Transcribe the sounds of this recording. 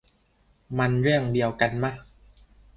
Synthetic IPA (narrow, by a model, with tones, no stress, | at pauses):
ma˧nɾɯ˥˩əŋdi˧əwka˧nma˦˥˩